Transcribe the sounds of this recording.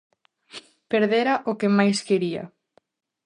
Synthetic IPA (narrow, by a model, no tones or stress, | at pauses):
peɾðeɾaʔokemajskeɾia̰